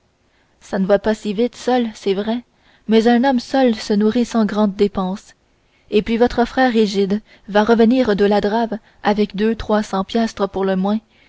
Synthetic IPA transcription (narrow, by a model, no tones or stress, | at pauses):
sanəvwapasivɪt̪sœlsɛvʁɛ | mɛzɛ̃nɔmsœlsənuʁisɑ̃ɡʁɑ̃d̪̚ːepɑ̃s | epɥivɔt̪χəfχɛːʁːiʒɪd̪ | vaʁəvəniːʁd̪əlad̪ʁav | avɛkd̪øt̪χwasɑ̃pjast̪χəpuʁləmwɛ̃